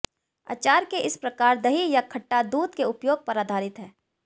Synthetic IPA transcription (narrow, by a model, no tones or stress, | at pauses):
a̰ːt͡ʃaːɾkeʔɪspɾɐkaːɾd̪ɐɦijakʰɐʈːad̪uːd̪keʊpjoːɡ̚pɐɾaːd̪ʱaːɾɪt̪ɦɛː